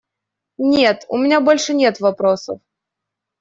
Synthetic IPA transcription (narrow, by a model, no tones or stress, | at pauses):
nʲet̪ʊ̰mʲɪnʲabolʲʂɨnʲet̪vɐpɾosə̰f